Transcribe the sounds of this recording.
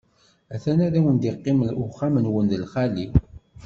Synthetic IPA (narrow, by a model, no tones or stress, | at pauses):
æθænæɾæwənd̪ɪqːɪməlʊχːamənwənðəlχali